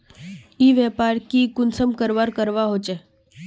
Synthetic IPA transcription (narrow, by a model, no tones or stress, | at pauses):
iːʋjɛːpaːɾkikʊnsəmkəɾʋaːɾkəɾʋaɦoːt͡ʃe